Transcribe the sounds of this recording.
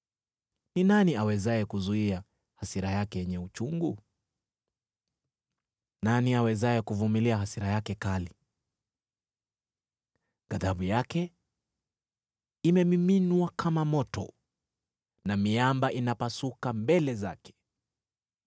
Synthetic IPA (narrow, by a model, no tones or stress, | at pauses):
ninaniawɛzajɛkuzuia | hasiɾajakɛjɛɲɛut͡ʃuŋɡu | naniawɛzajɛkuvumiliahasiɾajakɛkali | ɡ̥aðaɓujakɛ | imɛmiminwakʰamamɔtɔ̰ | namiambaʔinapasukambɛlɛzakɛ̥